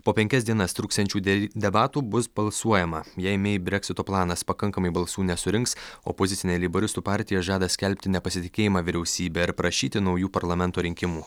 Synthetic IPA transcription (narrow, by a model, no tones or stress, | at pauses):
poːpʲɛŋʲkʲɛsd̪ʲiɛnɐst̪ɾuːkst̪ʲɛnʲt͡ʃʲuːd̪ʲɛbɑːt̪uːbʊsbɐlˠsuɔjɛmɐjɛɪmʲebʲɾʲɛkʲsʲɪt̪oːplˠɑːnɐspɐkɐŋkɐmɐɪbɐlˠsuːnʲɛsʊɾʲɪŋksɔ̰poːzʲɪt̪sʲɪnʲeːlʲɪbɐɾʲɪst̪uːpɑːˑɾʲt̪ʲɪjɛʒɑːd̪ɐsʲkʲɛlʲpʲt̪ʲɪnʲɛpɐsʲɪt̪ʲɪkʲeːjɪmɑːʋʲiɾʲɛʊsʲiːbʲɛːɪɾpɾɐʃʲiːt̪ʲɪnɒʊjuːpɐɾlˠɐmʲɛnt̪oːɾʲɪŋʲkʲɪmuː